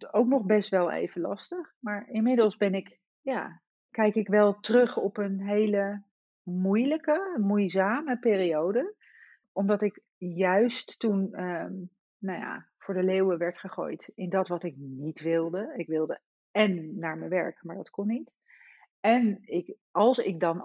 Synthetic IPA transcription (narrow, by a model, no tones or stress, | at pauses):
owknɔχbɛstʋɛlˠḛjvəlɑ̰stəχmaːɹɪnmɪdəlˠzbɛnɪk | jaː | kɛjkɪkʋɛlˠtrɵχɔpənɦejlə | mujləkəmujzaːməpɪːriowdə | ɔmdɑtɪk | jœɥstːunə | naja̰ːv̥ʊːɹdəlewəʋɛɹtχəχo̰ːjtɪndɑtʋɑtɪk̚nitʋɪlˠdəɪkʋɪlˠdə | ɛnːaːɹmənʋɛ̰ɹkmaːɹdɑtkɔnːit | ɛnɪk | ɑlˠsɪ̰k̚dɑn